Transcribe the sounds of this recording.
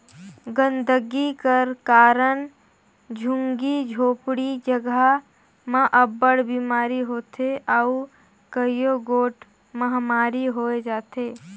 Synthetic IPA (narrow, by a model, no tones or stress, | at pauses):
ɡə̃nd̪ʱəɡikəɾkaːɾən | d͡ʒʱʊ̃ŋɡid͡ʒʱoːpɽid͡ʒəɡə | mãʔəbəɽbiːmaːɾiɦoːt̪ʰeʔau | kəijoɡoːʈ | mɐɦamaːɾiɦoːed͡ʒaːt̪eː